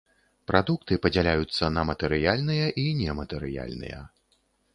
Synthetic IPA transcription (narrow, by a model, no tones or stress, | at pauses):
pɾad̪uk̚t̪ɨpɐd͡zʲalʲajut̪sːɐnɐmɐt̪ɛɾɨjalʲnɨjɐʔinʲɛmɐt̪ɛɾɨja̰lʲnɨ̰jɐ̰